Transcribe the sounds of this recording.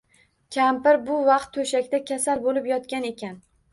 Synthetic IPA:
kʲʰampɪɾbʊvɑqt̪ʰːɵʃakʲt̪akʲʰasalbolɪpjɒt̪kʲane̞kʲʰan

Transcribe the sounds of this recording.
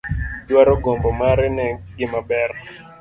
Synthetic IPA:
d͡ʒwaɾɔɡɔmbɔmaɾɪnɛɡɪmabɛɾ

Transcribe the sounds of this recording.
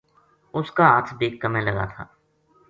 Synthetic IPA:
ʊskaaːt̪ʰbeːkːəmẽlɐɡa̰t̪ʰa̰ː

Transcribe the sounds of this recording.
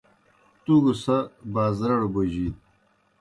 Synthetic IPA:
t̪uɡusɐbaːzɾɐɽbuʑiːt̪̚

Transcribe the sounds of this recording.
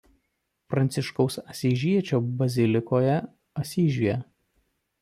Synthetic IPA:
fpɾɐnʲt̪sʲɪʃkɔʊsɐsʲiːʒʲiɛt͡ʃʲoːbɐzʲɪlʲɪkoːjɛ | ɐsʲiːʒʲujɛ

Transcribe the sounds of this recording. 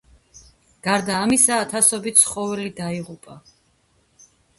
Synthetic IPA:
ɡ̥aɾd̪aːmisaːt̪ʰasɔbit̪sʰχɔvɛlid̪aiʁupʼa

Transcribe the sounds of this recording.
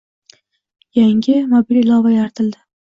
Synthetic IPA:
jaŋɡʲɪmɒbilɪlˠɒvajaɾt̪ʰɪld̪ɪ

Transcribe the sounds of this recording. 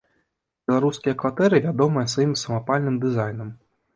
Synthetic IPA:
bʲɛlˠaɾuskʲijɐkvat̪ɛɾɨvʲad̪ɔmɨjɐsvajimsɐmapalʲnɨmd̪ɨzajnɐm

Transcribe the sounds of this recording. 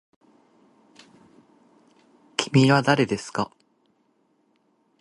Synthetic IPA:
kʲʰi̥mʲiβad̪aɾe̞d̪e̞sɨ̥ka

